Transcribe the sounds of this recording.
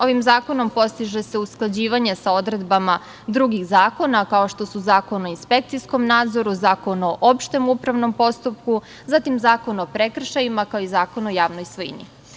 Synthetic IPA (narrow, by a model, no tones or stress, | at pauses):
o̞ʋimzaːko̞no̞mpo̞st̪iʒese̞usklˠad͡ʑiːʋaɲe̞sao̞d̪ɾe̞d̪bama | d̪ɾuɡixzaːko̞nakao̞ʃt̪o̞suzaːko̞noinspe̞kt̪sisko̞mnaːd̪zo̞ɾuzaːko̞no̞ʔopʃt̪e̞mupɾaʋno̞mpo̞st̪up̚ku | zat̪imzaːko̞nopɾe̞kr̩ʃajimakaoizaːko̞nojaːʋnojsʋojḭnḭ